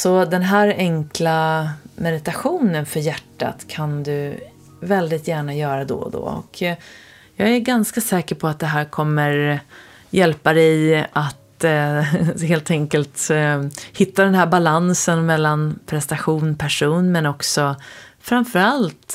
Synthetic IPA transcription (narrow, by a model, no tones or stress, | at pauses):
sɔd̪ɛnɦæːɾɛŋklamɛd̪ɪt̪aɧuːnənfœɾjæʈːa̰t̪kʰand̪ɵ | vɛld̪ɪt̪jæːɳajœːɾad̪ɔ̰d̪ɔ̰ɔ̰kʰ | jɑːɡæɾɡanskasɛːkəɾpʰɔat̪̚d̪ɛɦæːɾkʰɔmːəɾ | jɛlpad̪ɛjʔat̪ | heːlt̪ʰɛŋkəlt̪ | hɪt̪ʰːad̪ɛnɦæːɾbalansənmɛlːanpʰɾɛst̪aɧuːnpʰæʂuːnmɛnɔksɔfɾamfœɾalt̪